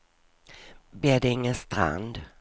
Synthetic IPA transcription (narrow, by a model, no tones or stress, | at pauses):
beːdɛɪŋːənst̪ɾa̰nd̪